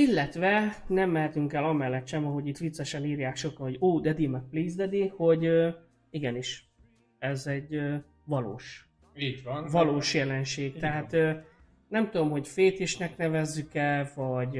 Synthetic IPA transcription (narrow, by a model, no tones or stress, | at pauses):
ilːɛt̪ʋɛnɛmːɛɦɛt̪yŋkɛlɒmɛlːɛt̪ʃɛmɒɦo̞ɟit̪ʋit̪sːɛʃɛniːɾjaːkʃo̞kɒnho̞ɟoːd̪ɛd̪imɛk̚pliːzd̪ɛd̪iho̞ɟø | iɡɛniʃ | ɛzɛɟøː | vɒlo̰ːʃ | iɟvnvɒloːʃjɛlɛnʃeːɡ̪ɛɦaːt̪ø | nɛmt̪ud̪o̞mho̞cfeːt̪iʃnɛknɛvɛzːykɛlvɒɟ